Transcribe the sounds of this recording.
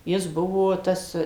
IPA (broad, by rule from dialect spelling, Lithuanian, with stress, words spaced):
ˈjɪs ˈbʊʋoː ˈtɐs